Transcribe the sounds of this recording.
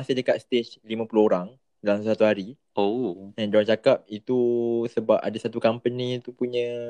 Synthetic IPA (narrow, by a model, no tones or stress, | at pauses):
asɪhdəkat̪̚st̪et͡ʃlimãpulohoɾaŋ | dalamsəsat̪uɦaɾi | oɛnd͡ʒaaŋt͡ʃakap̚it̪usəbap̚a̰dasat̪ukampənĩt̪upuɲə̃